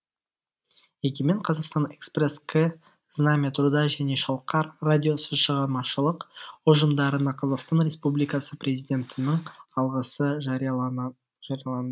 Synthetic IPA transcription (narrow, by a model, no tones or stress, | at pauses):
ekʲeme̞ɴqʰɑzɑqst̪ɑnekspreskʰe | znamʲet̪rud̪ɑʒæne̞ʃɑlˠqɑɾːadʲio̞səʃəʁɑmɑʃəlˠəqʊʒənd̪ɑɾənɑqʰɑzɑqst̪ɑnɾʲe̞spublijkɑsəprʲe̞zijd̪ʲe̞nt̪ɪnɪɴɑlˠʁəsə | ʒɑɾijɑlˠɑnd̪ə